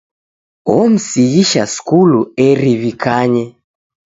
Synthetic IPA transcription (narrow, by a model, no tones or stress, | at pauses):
ɔm̩siɣiʃaskuluɛɾiβikʰaɲɛ